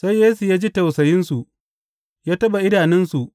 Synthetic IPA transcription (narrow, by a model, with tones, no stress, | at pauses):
sa˦jːeː˦su˨jaː˦d͡ʒi˦tɐ˨wsɐ˨jɪ˦nsu˨ʔ | jaː˦tɐ˦ɓa˨ʔɪ˦ɽaː˨nɛ˦nsu˨ʔ